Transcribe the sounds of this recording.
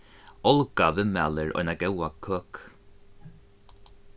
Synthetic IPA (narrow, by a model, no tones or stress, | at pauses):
ɔlˠɡavɪmaːlɪɹʔɔ̰jnaɡɛwakʰːøːk